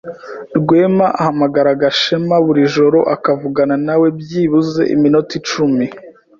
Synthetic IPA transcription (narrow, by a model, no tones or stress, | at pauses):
ɾɡwe̞ːmaʔahamaɡaɾaɡaʃemaβuɾiʒo̞ɾo̞ʔakavuɡananawe̞bjiːβuze̞̰ʔḭminotit͡ʃumi